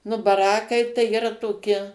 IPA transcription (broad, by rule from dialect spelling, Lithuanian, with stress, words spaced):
nʊ bɐˈrɑːkɐɪ tɐɪ iːˈrɐ toːˈkʲɪ